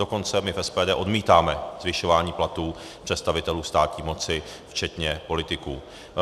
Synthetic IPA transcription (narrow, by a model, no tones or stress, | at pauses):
do̞ko̞nt͡sɛmɪfɛspɛːdɛːʔo̞dmiːt̪aːmɛzvɪʃo̞vaːɲiːplat̪uː | pr̥ɛt̪st̪avɪt̪ɛluːst̪aːt̪ɲiːmo̞t͡sɪft͡ʃɛt̪ɲɛpo̞lɪt̪ɪkuː